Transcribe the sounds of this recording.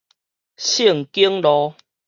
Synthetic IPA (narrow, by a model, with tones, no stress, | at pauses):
ɕi˥˨ŋki˦əŋlɔ˧